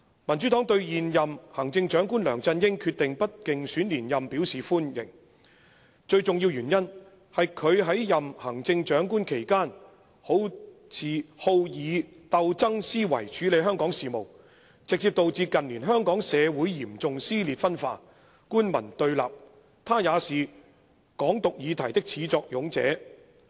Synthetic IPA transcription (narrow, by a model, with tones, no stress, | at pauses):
mɐ˨˩nt͡ʃy˨˥t̪ɔː˨˥ŋt̪ɵ˧ɥjiː˨njɐ˨mhɐ˨˩ŋt͡sɪ˧ŋt͡ʃœː˨˥ŋkuː˥nlœː˨˩ŋt͡sɐ˧njɪ˥ŋkʰyː˧t̚t̪ɪ˨ŋpɐ˥t̚kɪ˨ŋsyː˨˥nliː˨˩njɐ˨mpi˨˥wsiː˨fuː˥njɪ̰˨˩ŋ | t͡ʃɵ˧ɥt͡sʊ˨ŋjiː˧wjyː˨˩njɐ˥n | hɐ˨jkʰɵ˨˧ɥɦɐ˨˥jjɐ˨mhɐ˨˩ŋt͡sɪ˧ŋt͡ʃœː˨˥ŋkuː˥nkʰe˨˩jkaː˥n | ho˨˥w | t͡sʰiː˨ho˧wjiː˨˧ | t̪ɐ˨˧wt͡sɐ˥ŋsiː˥wɐ̰˨˩jt͡ʃʰyː˨˥le˨˧jɦœː˥ŋkɔː˨˥ŋsiː˨˩mo˨˩w | t͡sɪ˨k̚t͡siː˧p̚t̪o˨wt͡siː˧kɐ˨nliː˨˩nɦœː˥ŋkɔː˨˥ŋsɛː˨˧wuː˨˥jjiː˨˩mt͡sʊ˨ŋsiː˥liː˨t̚fɐ˥nfa̰ː˧˥ | kuː˥nmɐ̰˨˩nt̪ɵ˧ɥla̰ː˨p̚ | t̪ʰaː˥jaː˨˧siː˨ | kɔː˨˥ŋt̪ʊ˨k̚jiː˨˧t̪ʰɐ˨˩jt̪ɪ˥k̚t͡sʰiː˨˥t͡sɔː˧k̚jʊ˨˥ŋt͡sɛ̰ː˨˥